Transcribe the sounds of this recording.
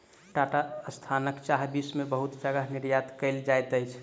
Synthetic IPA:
ʈaʈaəst̪ʰanəkt͡ʃaɦbismebəɦut̪d͡ʒəɡəɦniɾjat̪kəɪld͡ʒajt̪əjt͡ʃʰ

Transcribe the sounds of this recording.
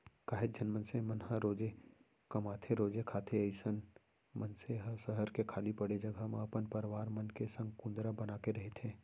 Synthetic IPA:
kaːɦɪt̪̚d͡ʒɐnmənsemənɦəɾoːd͡ʒe | kɐmaːt̪ʰeɾoːd͡ʒekʰaːt̪ʰeəɪsən | mənseɦɐsəɦəɾkekʰaːlipɐɽed͡ʒɐɡamãɐpənpəɾʋaːɾmɐnkesɐ̃ŋɡkũːnd̪ɾabɐnaːkeɾɐɦet̪ʰẽː

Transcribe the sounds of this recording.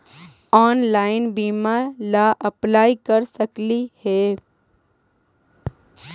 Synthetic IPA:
ɔːnlaːɪnbiːmalaʔɐplaːikɐɾsɐklihɛː

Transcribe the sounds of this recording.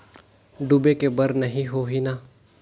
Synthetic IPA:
ɖʊbekebɐɾnɐɦĩɦoːɦinaː

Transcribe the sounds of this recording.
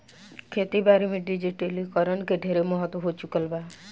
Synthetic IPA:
kʰet̪ibaɾimeɖid͡ʒiʈelikɔɾənkeɖʱeɾemɔɦɔt̪wɔɦot͡ʃukəlba

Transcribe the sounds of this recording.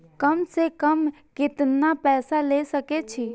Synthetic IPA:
kəmsekəm | kɪt̪napɛːsalesəket͡ʃʰi

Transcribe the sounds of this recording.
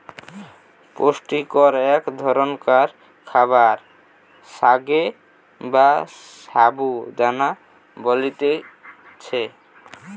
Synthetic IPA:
posʈikɔɾɛkd̪ʱɔɾonkaɾ | kʰaβaɾ | saɡe | bassabud͡ʑana | bolit̪e | t͡ɕʰe

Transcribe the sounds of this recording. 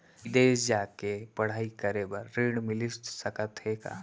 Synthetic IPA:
d̪eːsd͡ʒaːkepɐɽ̤aːikəɾebəɾːiɽ̃mɪlissəkət̪ɦeka̰

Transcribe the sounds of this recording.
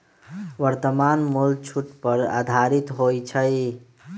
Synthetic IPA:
ʋəɾt̪əmanmult͡ʃʰuʈpəɾa̰d̪ʱaɾit̪ɦojt͡ʃʰəj

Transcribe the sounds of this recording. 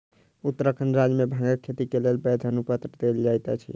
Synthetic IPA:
ut̪ɾəkʰənɾad͡ʒmebʱə̃ŋɡəkkʰet̪ikelelbɛd̪ʱənupət̪ɾəd̪eld͡ʒajt̪a̰t͡ʃʰḭ

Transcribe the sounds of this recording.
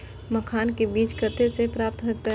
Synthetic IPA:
məkʰaːnkebiːt͡ʃkət̪esepɾaːp̚t̪ɦot̪e

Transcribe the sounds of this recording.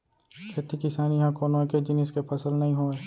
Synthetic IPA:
kʰeːt̪ikɪsaːnijɦãkoːnõẽked͡ʒɪnɪskepʰɐsəlnɐɦĩɦoːeː

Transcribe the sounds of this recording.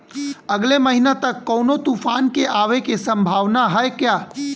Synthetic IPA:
əɡleməɦinat̪ɐkːɔːnot̪uːpʰaːnkeʔaːʋekesə̃mbʱaːʋnaɦɛekjaː

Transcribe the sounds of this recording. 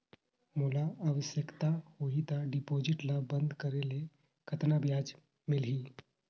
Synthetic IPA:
mulaəʋəsjəkt̪ahoit̪aɖipod͡ʒiʈlabənd̪ʱkəɾele | kʰət̪nabjad͡ʒ | milɦi

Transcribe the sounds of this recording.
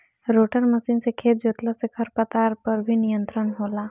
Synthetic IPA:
ɾoːʈəɾməsiːnsekʰeːt̪̚d͡ʒoːt̪lasekʰəɾpət̪aːɾpəɾbʱinijə̃nt̪ɾənɦoːlaː

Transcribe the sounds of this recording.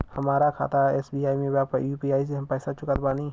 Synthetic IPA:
hɐmaːɾakʰa̰ːt̪aḛːsbiːaːimẽbapəjuːpiːaːis̬eɦɐmpɛːsat͡ʃʊkət̪baːni

